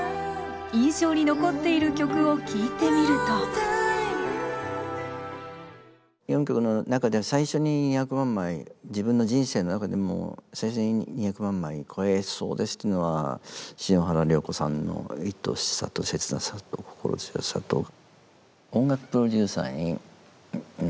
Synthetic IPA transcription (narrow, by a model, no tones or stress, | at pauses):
ĩɰ̃ɕo̞ːɲ̟ino̞ko̞t̪ːe̞iɾɯkʲo̞kɯ̟o̞kʲiːt̪e̞mʲiɾɯ̟t̪o | jõ̞ŋkʲo̞kɯ̟no̞nakad̪e̞saiɕo̞ɲ̟iɲiçakɯ̟mãmːaid͡ʑibɯ̟̃nːo̞d͡ʑĩɰ̃se̞ːno̞nakad̪e̞mo̰saiɕo̞ɲ̟iɲʲiçakɯ̟mãmːaikʰo̞eso̞̰ːd̪e̞sɨ̥t̪ːoeiːno̞βa̰ɕinõ̞ɦaɾaɾʲo̞ːko̞sã̰nːo̞̰it̪ːo̞̰ɕi̥sa̰t̪o̞se̞t͡sɨna̰sat̪okʰo̞̥ko̞̰ɾo̰so̰sa̰t̪o̰ | õ̞ŋɡakɯ̟̥pɯ̟ɾo̞dʲɨːsa̰ːɲ̟i